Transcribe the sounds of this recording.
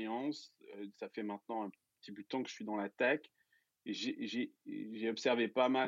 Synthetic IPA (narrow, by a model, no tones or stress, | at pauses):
jɑ̃søsafɛmɛ̃t̪̚nɑ̃ɛ̃pə | ə̥t̪ipød̪ət̪ɑ̃kəʒ̥əsɥid̪ɑ̃lat̪ak | eʒeʒeʒeɔpsɛʁvepama